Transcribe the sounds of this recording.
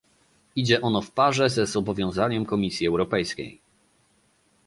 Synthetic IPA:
id͡ʑɛʔɔnɔfpaʐɛzɛzɔbɔvʲjɔ̃w̃zaɲɛmkɔmʲisʲjiɛwɾɔpɛjskʲḛj

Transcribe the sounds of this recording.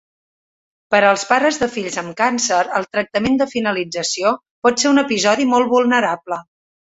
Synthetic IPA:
pəɾəːlˠspaɾəzðəfiʎzəmkansəɾəlˠt̪ɾək̚t̪əmend̪əfinəlid͡zəsio | pɔt̪seunəpizɔðimɔlˠβulˠnəɾablə

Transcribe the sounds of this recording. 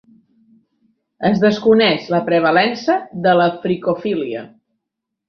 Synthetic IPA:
əzðəskunɛʃləpɾəβ̞əlɛnsəðələfɾikofiliə̰

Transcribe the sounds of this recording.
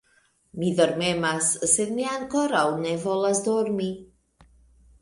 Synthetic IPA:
midoɾmemasːed̪miaŋkoɾawnevɔlasd̪oɾmi

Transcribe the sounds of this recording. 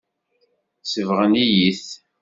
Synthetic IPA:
səvʁənijiθ

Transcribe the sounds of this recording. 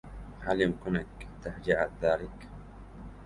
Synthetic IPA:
haljɪmkʊnakt̪aħd͡ʒiʕat̪ðaːlɪk

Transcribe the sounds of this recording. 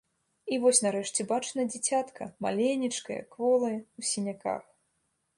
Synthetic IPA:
ivɔsʲnaɾɛʂt͡sʲɛbat͡ʂnɐd͡zʲit͡sʲat̪kʰɐ̰ma̰lʲenʲit͡ʂkɐ̰jɐ̰kːvɔlˠɐjwsʲinʲaka̰x

